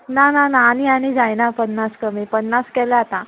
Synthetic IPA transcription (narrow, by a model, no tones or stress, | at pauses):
nanãnãːnianid͡zajnapənːaskəmipənːaskɛlaat̪a